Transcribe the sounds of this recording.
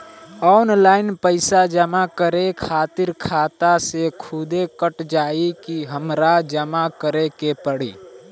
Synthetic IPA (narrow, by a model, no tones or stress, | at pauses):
ɔːnlaːɪnpəɪsad͡ʒəmakəɾekʰaːt̪ɪɾkʰaːt̪asekʰʊd̪ekəʈd͡ʒaːikiɦəmɾad͡ʒəmakəɾekepəɽḭː